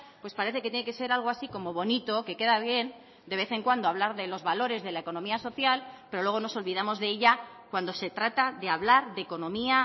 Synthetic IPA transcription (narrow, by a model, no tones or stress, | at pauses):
pwe̞spaɾe̞θe̞ket̪jeneke̞se̞ɾalɣo̞asiko̞mo̞βo̞nit̪o̞ke̞ke̞ðaβje̞n | d̪e̞β̞e̞θe̞ŋkwand̪oaβ̞laɾðe̞lo̞zβalo̞ɾe̞zðe̞laeko̞nõ̞miaso̞θjalpeɾo̞lweono̞so̞lβiðamo̞zðe̞eʎa | kwand̪o̞se̞t̪ɾat̪aðe̞aβlaɾðe̞ko̞nõ̞mia